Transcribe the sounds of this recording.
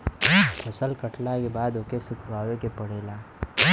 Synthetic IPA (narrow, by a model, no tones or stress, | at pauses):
pʰɐsəlkəʈnakebaːd̪oːkesʊt̪ʰbaːʋekepɐɽeːlaː